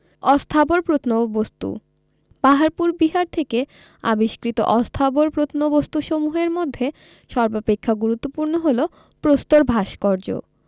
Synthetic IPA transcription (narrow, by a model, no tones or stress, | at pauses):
ɔst̪ʰaboɾpɾot̪ʰnobost̪ṵ | paɦaɾpuɾbiɦaɾt̪ʰeke | a̰biʃkɾit̪o̰ʔɔst̪ʰaboɾpɾot̪ʰnobost̪uʃomuɦeɾmod̪ʱːe | ʃɔɾbapekʰːaɡuɾut̪ːopuɾnoɦolo | pɾost̪oɾbʱaʃkɔɾd͡ʑo̰